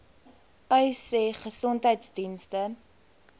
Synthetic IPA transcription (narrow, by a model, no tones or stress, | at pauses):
œseχəsɔntɦəjtsdinstə